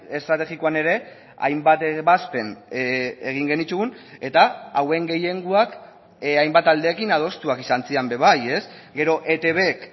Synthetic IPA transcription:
e̞st̪ɾat̪e̞ɣikoane̞ɾe̞ | a̰jmbat̪eβaspe̞n | eɣ̞iŋɡe̞nit̪uɣune̞t̪aawe̞ŋɡe̞jeŋɡuak | ajmbat̪ald̪e̞ːkinað̞o̞st̪uakisant͡siambe̞β̞aje̞sɡe̞ɾo̞ʔe̞t̪e̞βe̞k

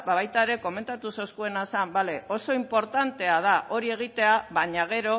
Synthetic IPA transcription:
baβajt̪aeɾe̞ko̞me̞nt̪at̪uso̞skue̞nasambaleo̞so̞impo̞ɾt̪ant̪e̞að̞aʔo̞ɾie̞ɣ̞it̪e̞aβaɲaɣ̞e̞ɾo̞

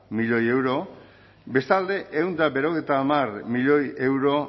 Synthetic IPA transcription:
miʎo̞je̞wɾo̞ | be̞st̪ald̪e̞ʔewnd̪abe̞ɾo̞ɣejt̪aːmarmiʎo̞je̞wɾo̞

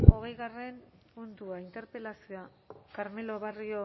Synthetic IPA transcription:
o̞ɣ̞e̞jɣare̞npunt̪uaint̪e̞ɾpe̞lasioa | kaɾme̞lo̞βario

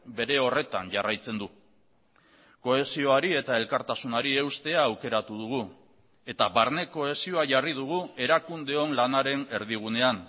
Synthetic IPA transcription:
be̞ɾe̞o̞re̞t̪anʝarajt͡se̞nd̪u | ko̞e̞sio̞aɾie̞t̪ae̞lkaɾt̪asunaɾie̞wst̪e̞aːwke̞ɾat̪uðuɣu | e̞t̪aβaɾne̞ko̞e̞sio̞aʝarið̞uɣ̞ue̞ɾakund̪e̞o̞nlanaɾe̞ne̞ɾðiɣ̞une̞an

